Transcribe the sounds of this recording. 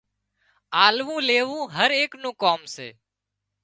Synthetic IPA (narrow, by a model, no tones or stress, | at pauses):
aːlʋũːleːʋũːɦəɾeːknũːkoːmsḛː